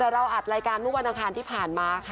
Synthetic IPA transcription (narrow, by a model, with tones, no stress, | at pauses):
ɾa˧wʔa˨˩t̪̚ɾaː˧jkaː˧nmɯː˥˩wa˧nʔa˧kʰaː˧nt̪ʰiː˥˩pʰaː˨˩nmaː˧kʰa˦˥